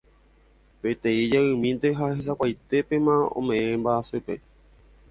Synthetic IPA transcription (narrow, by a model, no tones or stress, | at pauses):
pe̞t̪ẽid͡ʒaɨ̃mĩnt̪e̞ɦahes̬akʷajt̪e̞pe̞mãõ̰mẽ̞ẽmbaasɨpe̞